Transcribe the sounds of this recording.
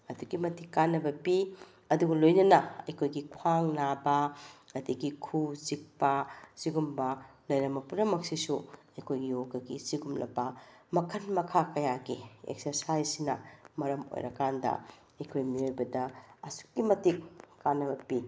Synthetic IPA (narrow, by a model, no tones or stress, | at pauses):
ɐdukimɐtikːanːɐbɐpi | ɐduɡɐlojnɐnɐɐjkʰojɡikʰwaŋnabɐɐdiɡikʰuzik̚pɐsiɡumbɐlɐjɾɐmɐpuɾɐmɐk̚sisuɐjkʰojɡioɡɐɡḭsiɡumlʔɐ̰bɐmɐkʰɐnmɐkʰakɐjaɡiḛk̚sɐɾsajsinɐ̰mɐɾɐmo̰jɾɐ̰kandɐ̰ | ɐjkʰojmiojbɐdɐɐsu̥k̚ːimɐtikːanːɐbɐpi